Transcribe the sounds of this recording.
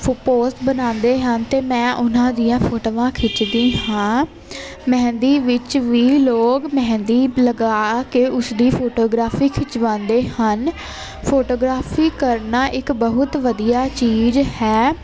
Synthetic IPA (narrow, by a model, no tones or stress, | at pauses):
ppoːsʈbənãːnd̪eːɦənt̪eːmɛ̃ːʔʊnãːd̪ijãːpʰoːʈoːʋãːkʰɪt͡ʃd̪ĩːɦãː | mɛ̃ːnd̪iːʋɪt͡ʃʋiːloːkmɛ̃ːnd̪iːləɡaːkɪʔʊsd̪iːpʰoːʈoːɡɾaːfʰiːkʰɪt͡ʃʋãːnd̪eːhən | pʰoːʈoːɡɾaːfʰiːkəɾnaːʔɪkbəɦʊt̪ʋəd̪ijaːt͡ʃiːzhɛː